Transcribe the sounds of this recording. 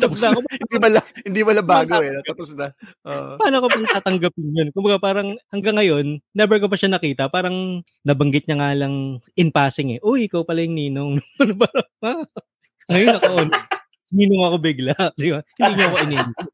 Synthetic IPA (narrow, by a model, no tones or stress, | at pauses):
t̪ɐpsd̪akʊbhɪnd̪imɐlahɪnd̪imɐlɐbaːɡoɛt̪aposd̪ɐʔoːʔpɐaːnokopɐŋɐt̪aːt̪ɐŋɡɐpɪŋjonkʊmbɐɡapaːɾɐŋhɐŋɡɐŋːɐjo̞nːɛbɛɹkopɐʃanɐkiːt̪ɐpaːɾɐŋ | nɐbɐŋɡɪt̪̚ɲɐŋaːlɐŋʔɪnpaːsɪŋɛʔoʔɪkawpɐlɐjʊŋniːnoŋɐnpaɾɐa | ŋɐjonɐkoʔon | niːnoŋɐko̞bɪɡlaʔd̪ɪbahɪnd̪iːɲoɐko̞ʔɪnɛːnɪ